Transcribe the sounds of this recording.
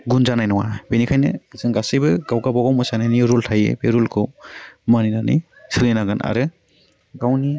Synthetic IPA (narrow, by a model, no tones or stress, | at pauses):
ɡunzanajnɔwa̰benikʰajnɯzɯŋɡasɯjbɯɡawɡabaɡawmɯsanajniɾultʰajḛbeɾulkʰɯwmaninanɯ̰j | sɯlɯjnaɡɯnʔa̰ɾɯ | ɡawni